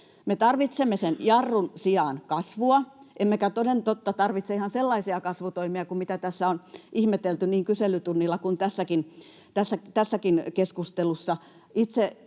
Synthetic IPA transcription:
met̪ɑrʋit̪semːesenjɑrːunsiɑˑnkɑsʋuɑʔemːekæt̪onent̪ot̪ːɑt̪ɑrʋit̪seihɑnselːɑisiɑkɑsʋut̪oimiɑkumit̪æt̪æsːæonʔihmet̪elt̪yniːŋkyselyt̪unːilːɑkunt̪æsːækin | t̪æsːæt̪æsːækinkeskust̪elusːɑ | it̪se

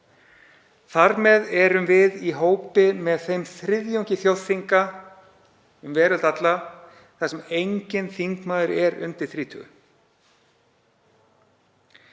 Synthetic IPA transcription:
θaɾmɛðɛɾʏmvɪðiɦoːwpɪmɛðθejmθɾɪðjowɲcɪθjowðθiŋka | ʏmvɛːɾʏlt̪at̪la | θasɛmejɲcɪnθiŋkmaːðʏɾɛɾʏ̰nt̪ɪɾ̥θɾiːt̪ʰʏʏ̰

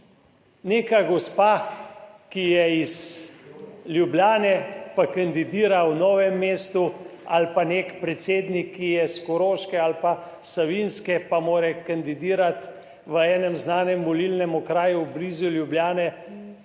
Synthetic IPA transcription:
neːkaɡɔspaː | kijɛiz | ljubljaːnɛpakand̪id̪iːɾawnɔːʋɛmːeːst̪ua̰lpanekpɾɛt̪seːd̪nikːijɛskɔɾoːʃkɛalpa | saʋinskɛpamoːɾɛkand̪id̪iːɾat̪ | ʋəɛːnɛmznaːnɛmʋɔlilnɛmɔkɾaːjuwbliːzuljubljaːnɛ

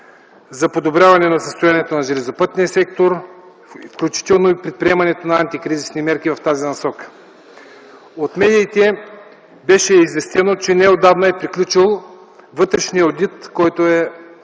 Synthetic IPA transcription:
zɐpod̪obɾʲjavɐnɛnɐsəst̪ojaniɛt̪onɐʒɛlʲɛzopət̪niəsɛk̚t̪oɾ | fklʲut͡ʃi̥t̪ɛlˠnoipɾɛt̪̚pɾʲiɛmɐnɛt̪onɐant̪ikɾizisnimɛɾkʲivɐft̪azinɐsɔkə̥ | ot̪mɛd̪iːt̪ɛ | bɛʃɛizvɛst̪ɛnot͡ʃɛnɛod̪avnoɛpɾiklʲut͡ʃilˠ | vɤt̪ɾɛʃniəod̪it̪kɔjt̪oɛ

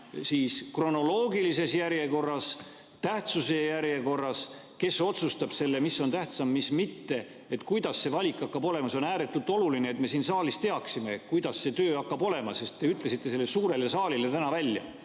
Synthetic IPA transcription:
siːskro̞no̞lo̞ːɡilise̞sjæɾje̞ko̞rːɑs | t̪æht̪suse̞jæɾje̞ko̞rːɑs | ke̞so̞t̪sust̪ɑb̥se̞lːemiso̞nt̪æht̪sɑmːismit̪ːe̞ | et̪ːkujd̪̥ɑsːe̞vɑlʲikːˑɑkːɑbo̞le̞mɑso̞næːɾe̞t̪ːˑult̪ˑo̞lulineːt̪me̞siːnsɑːlist̪e̞ɑksime̞kujd̪ɑsːe̞t̪øːɑkːɑbo̞le̞mɑse̞st̪t̪ːe̞yt̪ˑle̞sit̪ːe̞se̞lːesuːɾe̞lesɑːlilet̪ænɑvælʲjɑ̰

